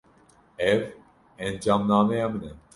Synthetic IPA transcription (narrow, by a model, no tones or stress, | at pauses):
ɛv | ɛnd͡ʒaːmnaːmɛjamɨnɛ